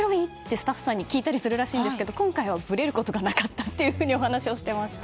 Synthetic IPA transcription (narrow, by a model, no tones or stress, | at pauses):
ɾoɲʲit̪ːe̞sɨ̥t̪aɸɯ̥sãɲ̟ːikʲiːt̪aɾʲisɨɾɯ̟ɾaɕĩːnd̪esɨ̥ke̞d̪o̞kõ̞ŋkaiβabɯ̟ɾe̞ɾɯ̟ko̞t̪o̞ɡanakat̪ːat̪ːe̞jɯ̟ɸɯ̟ːɲio̞hanaɕio̞ɕi̥t̪e̞maɕi̥t̪a